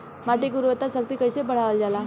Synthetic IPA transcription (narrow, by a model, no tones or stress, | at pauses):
maʈikuɾuʋət̪ːasək̚t̪iːkəjsepəɽ̤aʋəld͡zala